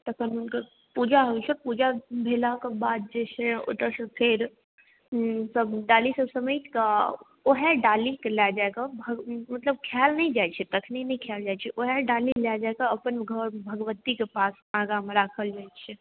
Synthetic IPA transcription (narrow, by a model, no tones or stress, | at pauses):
t̪əkʰənɦunke | pud͡ʒaɦojt͡ʃʰɛpud͡ʒabʱelakebad̪̚d͡ʒet͡ʃʰeo̰ʈəɾsə̃pʰeɾ | səbɖalisəsəməjka | oɦɛɖalikelad͡ʒaekabʱəmət̪ləb̚kʰjalnəĩd͡ʒajt͡ʃʰɛt̪əkʰninəikʰjald͡ʒajt͡ʃʰɛʔoɦɛɖalilad͡ʒaekaəpənɡʱəɾbʱəɡəʋət̪ikepas | aɡameɾakʰəld͡ʒajt͡ʃʰɛ